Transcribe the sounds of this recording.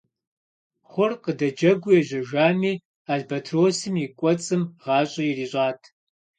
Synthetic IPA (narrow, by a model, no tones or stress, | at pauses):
χʷʊrqədɐd͡ʒɐɡʷʊjɛʑɐʒʷaːmiː | aːɮbɐtʰroːsɨmjikʷʼɔt͡sʼɨmʁɑːɕʼɐjiriːɕʼaːtʰ